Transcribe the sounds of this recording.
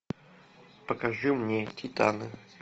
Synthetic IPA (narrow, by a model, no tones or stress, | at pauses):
pəkɐʐɨmnʲetʲit̪anɨ